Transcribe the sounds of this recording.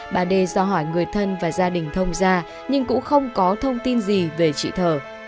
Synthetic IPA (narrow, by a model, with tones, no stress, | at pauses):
ɓaː˨˩ɗe˧zɔː˧ɦɔ˧˩jŋɨ˨˩əjt̪ʰə˧nvaː˨˩zaː˧ɗï˨˩ŋ̟t̪ʰə˧wŋ͡mzaː˧ | ɲɨ˧ŋkʊ̰˧˥xə˧wŋ͡mkɔ˨˦t̪ʰə˧wŋ͡mt̪i˧nzi˨˩ve˨˩t͡ɕḭ˧˨t̪ʰəː˨˩